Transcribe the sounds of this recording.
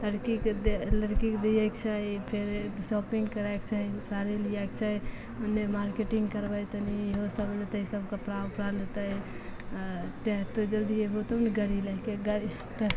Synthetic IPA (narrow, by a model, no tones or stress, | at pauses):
ləɾkikd̪eləɾkikd̪ejɛkt͡ʃʰɛjpʰeɾsɔpiŋɡkəɾajkt͡ʃʰɛsaɾelijakt͡ʃʰɛ | nːemaɾkeʈĩŋɡkəɾbəjt̪əniiɦosəblet̪əisəbkəpɾaupɾad̪t̪əj | t̪eɦt̪od͡ʒəld̪iebot̪ənɡəɾilɛɦkeɡəɾ | t̪